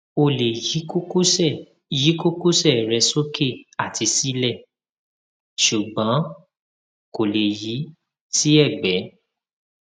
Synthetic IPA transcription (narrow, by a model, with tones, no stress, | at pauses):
o˧le˨ji˨˦ko˦u˦ɛ˦˨ | ji˨˦ko˦ku˦sɛ˦˨ɾɛ˧so˦kʰe˦˨a˨ti˧si˦lɛ˦˨ | ʃu˨ɡ͡bɔ̃˨˦ | ko˨le˨ji˨˦ | si˦ɛ˦˨ɡ͡bɛ˨˦